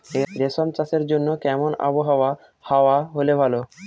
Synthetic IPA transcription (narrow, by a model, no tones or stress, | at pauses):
eɾesɔmt͡ɕaseɾd͡ʑonːokɛmona̰boɦaoa | haoaɦolebʱalo